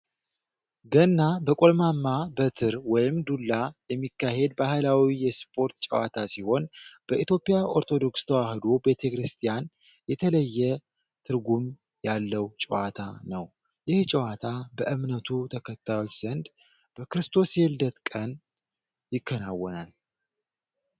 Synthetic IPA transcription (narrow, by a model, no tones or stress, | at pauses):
ɡənːabəkʼo̞lmamːabət̪ʰɨɾwɔjɪmd̪ulːajɛmːikːahe̞d̪̚bahɨlawijɛspʰʼo̞ɾt̪t͡ʃʼəwat̪ʰasiho̞nb̥əʔit̪jo̞pʼijaʔo̞ɾt̪ʰo̞d̪o̞kst̪ʰəwahɨd̪obe̞t̪ʰekɾɨst̪ʰʼijan | jɛt̪ʰələjːɛ | t̪ʰɨɾɡum | jalːəwt͡ʃʼɛwat̪ʰanəw | jɪht͡ʃʼɛwat̪ʰabəʔɨmnət̪ʰut̪ʰəkʰət̪ʰːajo̞t͡ʃːz̥ənd̪ | b̥əkɾɨst̪ʰo̞sjeld̪ət̪kʼən | jɪkʰːənawːɔnal